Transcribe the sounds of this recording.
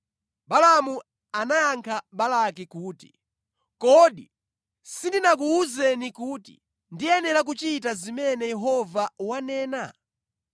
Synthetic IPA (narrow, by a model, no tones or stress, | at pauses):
ɓalamu | anajaŋkʰaɓalak̬ikuːti̥ | kɔɗi | sindinak̬uːzɛnikuːtḭ | ndiɛnɛɾak̬ut͡ʃit̬azimɛnɛjɛɦɔvawanɛːna